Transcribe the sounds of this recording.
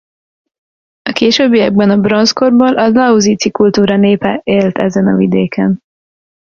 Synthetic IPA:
ɒkeːʃøːbːijɛɡ̚bɛnɒbronsko̞rboːlʔɒzlɒuziːt̪sikult̪uːɾɒneːpɛʔeːlt̪ɛ̰zɛnɒ̰vid̪eːkʰɛn

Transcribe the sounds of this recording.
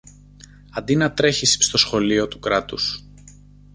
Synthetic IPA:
ɐnd̪inɐt̪ɾe̞çisst̪o̞sxo̞lio̞t̪ukɾɐt̪us

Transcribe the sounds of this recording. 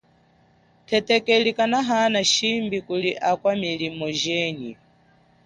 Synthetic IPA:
tʰɛtɛkɛlikanaɦanaʃimbikuliʔakwamilimɔʒɛːni

